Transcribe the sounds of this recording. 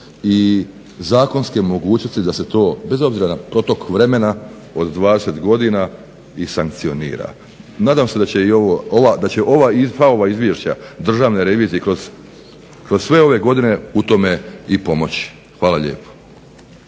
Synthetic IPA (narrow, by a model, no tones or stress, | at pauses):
i | zaːko̞nske̞mo̞ɡuːt͡ɕno̞st̪id̪ase̞t̪o̞ːbe̞zo̞bziɾanapɾo̞t̪o̞kʋɾe̞me̞na | o̞d̪d̪ʋaːd̪e̞se̞t̪ɡo̞d̪ina | isaŋk̚t̪sio̞nḭːɾa̰ | naːd̪aːmse̞d̪at͡ɕe̞io̞ʋooʋad̪at͡ɕe̞ʔo̞ʋaifaoʋaizʋje̞ʃt͡ɕad̪r̩ʒaːʋne̞ɾe̞ʋiːzijekɾo̞z̥ | kɾozsʋe̞o̞ʋe̞ɡo̞d̪ine̞ut̪o̞me̞ipo̞mo̞t͡ɕi̥ | xʋaːlaʎḛːpo̥